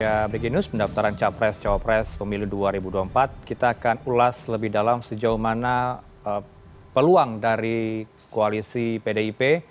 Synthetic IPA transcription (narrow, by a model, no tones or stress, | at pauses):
jabekinuspəndaft̪aɾant͡ʃapɾɛst͡ʃawapɾɛspəmiluduaɾibuduampat̪̚kit̪aːkanulasləbɪhdalamsəd͡ʒauhmana | ə | pəluaŋdaɾi | koalisipedeipe